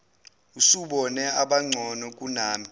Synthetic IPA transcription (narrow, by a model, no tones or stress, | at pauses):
usuɓɔnɛaɓaŋ͡ǀʱɔnɔk̬ʼunaːmi